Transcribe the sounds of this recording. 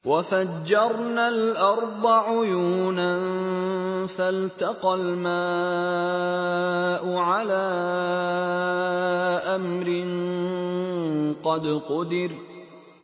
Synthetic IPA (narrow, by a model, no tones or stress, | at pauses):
wafad͡ʒːɑɾˤnalʔɑɾˤd̪ˤɑʕʊjuːnan | falt̪ɑqɑlmaː | ʔʊʕalaː | ʔamɾɪn | qɑd̪qʊd̪ɪɾ